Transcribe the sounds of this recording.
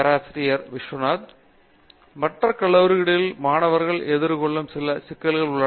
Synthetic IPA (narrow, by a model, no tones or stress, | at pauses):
ɐɾaːsɾɪjɐɾʋɪʂʋɐnaːð | mɐʈrɐkɐɭːɐʋɯɾɯɣɪɽɐɪlmaːɳɐʋɐɾɣɐɭʔɛðɪɾkɔɭːɐmsɪlɐsɪkːɐlɣɐɭʊɭːɐ